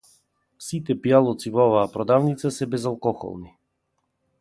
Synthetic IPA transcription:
sit̪ɛpijalˠɔt̪sivɔɔvaːpɾɔd̪avnit̪sasɛbɛzalˠkɔxɔ̰lˠni

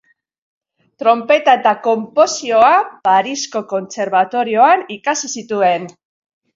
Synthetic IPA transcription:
t̪ɾo̞mpe̞t̪aet̪ako̞mpo̞sio̞apaɾisko̞ko̞nt͡se̞ɾβat̪o̞ɾio̞anikasisit̪ue̞n

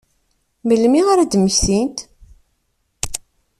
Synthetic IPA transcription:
məlmiʁaɾæd̪məçθint̪

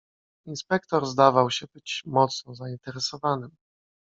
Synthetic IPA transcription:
inspɛkt̪ɔɾzd̪avawɕɛbɘt͡ɕmɔt̪snɔzaint̪ɛɾɛsɔvanɘm

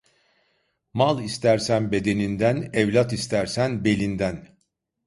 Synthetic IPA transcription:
malˠist̪ʰæɾsænbe̞d̪e̞nind̪ænɛvlʲat̪ist̪ʰæɾsænbe̞lʲind̪æn

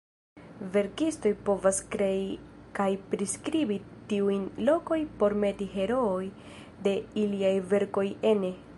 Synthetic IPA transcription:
ve̞ɾkisto̞jpo̞vaskɾei | kajpɾiskɾibi | tiujnlo̞ko̞jpo̞ɾme̞tiɦe̞ɾo̞ːj | de̞iliajve̞ɾko̞je̞ne

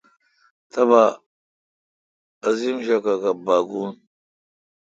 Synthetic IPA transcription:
tʰaβa | azimʃakakabaɡun

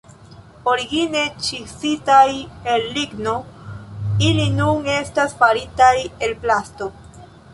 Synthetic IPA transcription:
oɾiɡine̞t͡ʃisitaje̞lːiɡno̞ | ilinuŋe̞stasfaɾitaje̞lplasto̞

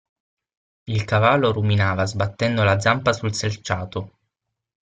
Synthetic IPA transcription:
ilkavalːoɾuminaːvazbat̪ːɛnd̪olad̪zampasulselt͡ʃaːt̪o

